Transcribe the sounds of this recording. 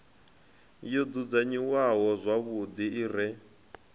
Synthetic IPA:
jɔd͡zud͡zaɲiwaɦɔzʷaβud̪iːrɛ

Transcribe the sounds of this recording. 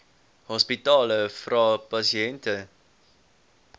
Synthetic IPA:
hɔspitɑːləfrɑːpɐsiɛntə

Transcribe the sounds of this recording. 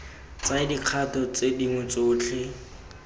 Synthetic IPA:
t͡saɪdiq͡χʰatɔt͡sediŋʊt͡soːt͡ɬʰɪ

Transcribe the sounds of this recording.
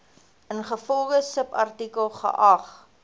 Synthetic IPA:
ənχəfɔlˠχəsəpɐrtikəlˠχə̰ʔɐχ

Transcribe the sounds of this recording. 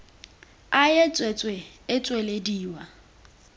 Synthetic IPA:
ajet͡sʼwet͡sʼweɪt͡sʼwelediːwa

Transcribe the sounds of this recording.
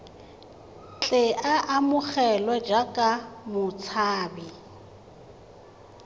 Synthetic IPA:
t͡ɬʼɪʔaʔamʊk͡xɛlwɛd͡ʒakʼamʊt͡sʰaːbi

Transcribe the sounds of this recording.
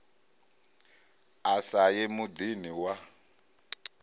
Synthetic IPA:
asajemud̪iniwa

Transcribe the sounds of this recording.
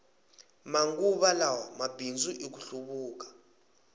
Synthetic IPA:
maŋɡuɓalawamab̥ʱind͡zuʔik̬uɬuɓuːk̬ḁ

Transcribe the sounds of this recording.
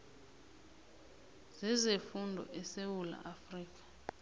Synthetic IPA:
z̥izefundʱɔ̰ʔɛsewula̰ʔafriːk̬ʼḁ

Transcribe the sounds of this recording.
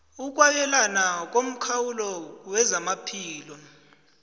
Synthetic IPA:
uk̬ʼwajɛlanak̬om̩kʰawulɔwɛzamapʰiːlɔ

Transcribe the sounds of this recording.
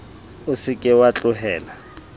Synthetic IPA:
ʊsɪkʼɪwat͡ɬʼʊɦɛːla

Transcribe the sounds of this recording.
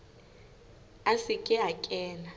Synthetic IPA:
asikʼɪɦakʼɛːla

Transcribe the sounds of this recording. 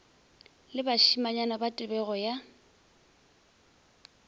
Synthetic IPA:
lɪbaʃimaɲanabatʼɪbɛɣɔja

